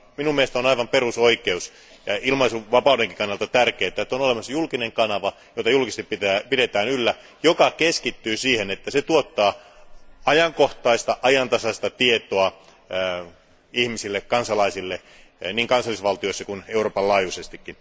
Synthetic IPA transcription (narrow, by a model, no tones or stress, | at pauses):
minumiest̪onɑiʋɑmperusoikeus | jɑilmɑisuʋɑpɑudeŋki̥kɑnːɑlt̪ɑt̪ærkeːt̪ːˑæet̪ːonolemɑsːɑjulkineŋkɑnɑʋɑjot̪ɑjulkist̪ipit̪æpidet̪æːnylːæ | jokɑkeskit̪ːyːsiːhenet̪ːæset̪uot̪ːɑː | ɑjɑŋkoht̪ɑist̪ɑʔɑjɑnt̪ɑsɑst̪ɑt̪iet̪oɑ | ihmisilːekkɑnsɑlɑisilːe | niːŋkɑnsɑlːˑisʋɑlt̪ioisːɑkuneuroːpɑlɑːjusest̪ikːin